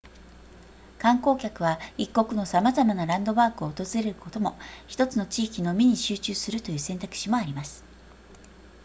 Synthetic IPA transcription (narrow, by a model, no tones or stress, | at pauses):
kãŋko̞ːkʲakɯ̟β̞aikːo̞kɯ̟no̞samazamanaɾãnd̪o̞baːkɯ̟o̞ːt̪o̞zɨɾe̞ɾɯ̟ko̞t̪o̞mo̞çi̥t̪o̞t͡sɨno̞t͡ɕiːkʲino̞mʲiɲ̟iɕɨːt͡ɕɨːsɨɾɯ̟t̪o̞jɯ̟ːsẽ̞nt̪akɯ̥ɕimo̞aɾʲimasɨ̥